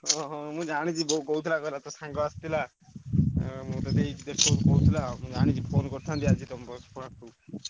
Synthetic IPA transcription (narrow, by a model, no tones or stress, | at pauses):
ɔ̃ɦmũd͡ʒaɽ̃ĩt͡ʃʰibɔɦukoɦut̪ʰilakɔɾlat̪ɔsãŋɡɔast̪ila | mũt̪ɔt̪eid̪eʃokoɦut̪ʰilamũd͡ʒaɽ̃ĩt͡ʃʰipʰonkɔɾt̪ʰant̪iat͡ʃʰit̪ɔmɾɔspɔɽ̃akuːb